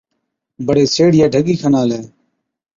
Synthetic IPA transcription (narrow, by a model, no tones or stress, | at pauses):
bəɽeːseːɽɪjaːɖʱəɠiːkʰənaːlɛː